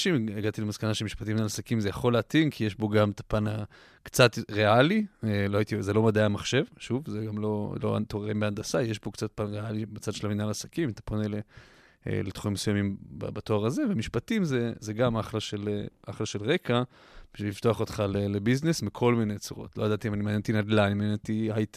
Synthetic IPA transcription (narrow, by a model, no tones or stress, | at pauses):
ʃimeɡat̪ilemaskanaʃemiʃpatiminalasakimzejaχo̞leatinkʰije̞ʃbo̞ɡametḁpana | kt͡sat̪ʁe̞alieloajit̪izelo̞mad̪aamaχʃe̞vʃuvzeɡamlo̞lo̞̰a̰t̪oʁeʁimbeandasaje̞ʃbo̞kt͡sat̚panʁealibet͡sad̪ʃelaminalasḁkimt̪ḁponele | ḛlet̪χoimesujamimba̰batoaʁaze̞vemiʃpatimzezeɡamaχlaʃeleʔaχlaʃelʁe̞ka | biʃvilift̪o̞aχo̞t̪χalelebiznesmikʰo̞lminejt͡suʁo̞̰tlojadat̪iimanimanent̪inad̪lanimanent̪iajt